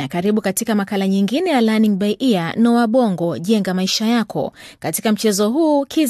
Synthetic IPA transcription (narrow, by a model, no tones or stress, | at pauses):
nakaɾiɓukatikamakalaɲiŋɡinɛjalaniŋbaʔianɔwaɓɔŋɡɔʄɛŋɡamaiʃajakʰɔ̰ | katikam̩t͡ʃɛzɔɦuːkiz